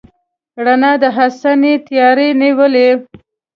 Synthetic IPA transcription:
ɽanad̪əɦasanet̪jɑɾeniwəle

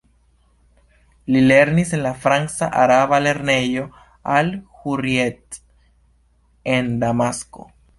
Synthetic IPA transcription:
lileɾnisenlafɾansaʔaɾaβaleɾneʝo | alxuɾjet̪̚ | end̪amasko̰

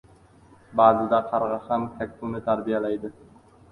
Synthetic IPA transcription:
baːzɪd̪aqʰɑɾʁɑhɑmk̪ʰakʲt̪ʰuwnɪt̪ʰaɾbijalajd̪ɪ

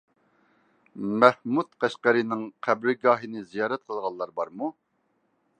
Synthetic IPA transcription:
mɛhmut̪qʰæʃqæɾɨnɪŋqʰæbɾɪɡɑːɦinɪzijɑːɾɛt̪̚qʰəlˠʁɑlˠːɑɾbɑɾmu

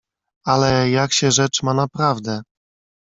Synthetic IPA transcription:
alɛjakɕɛʐɛt͡ʂmanapɾavd̪ɛ

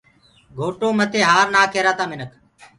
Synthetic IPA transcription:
ɡʱoːʈoːmət̪ʰeːɦaːɾnaːkʰeːɾaːt̪aːmɪnək

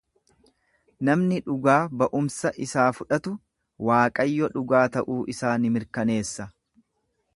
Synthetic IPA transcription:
nɐmnɪᶑʊɡaːbɐʔʊmsɐʔɪsaːfʊᶑɐt̪ʊ | waːkʼɐjːɔᶑʊɡaːt̪ɐʔuːʔɪsaːnɪmɪɾkɐne̞ːsːɐ

